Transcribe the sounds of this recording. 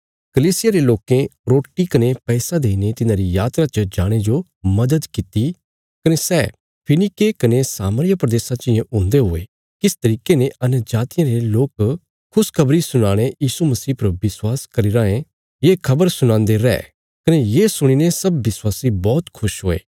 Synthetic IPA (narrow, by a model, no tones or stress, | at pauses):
kɐliːsɪjaɾeloːkẽɾoːʈːikɐnepɛːsad̪eːinet̪ɪnãːɾijaːt̪ɾat͡ʃəd͡ʒaːɽ̃ed͡ʒo | mɐd̪əd̪kɪt̪i | kɐnesɛː | pʰɪnɪkekɐnesaːməɾɪjapɾɐd̪eːsãt͡ʃɪjẽʔʊ̃ːnd̪eɦoːḛː | kɪst̪ɐɾiːkeneɐnd͡ʒaːt̪ɪjãɾeloːk | kʰʊskʰɐbɾisʊɽ̃aːɽ̃ejiːsumɐsiːpɾobɪswaːskɐɾiɾãːẽ | jeːkʰɐbəɾsʊɽ̃ãːnd̪eɾɛ̰ː | kɐnejeːsʊɽ̃inesɐbːɪswaːsibɔːt̪kʰʊʃɦoːḛː